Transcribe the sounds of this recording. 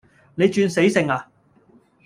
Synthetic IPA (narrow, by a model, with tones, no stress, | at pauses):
ne˨˧jt͡ʃyː˧nse˨˥jsɪ˨˧ŋaː˧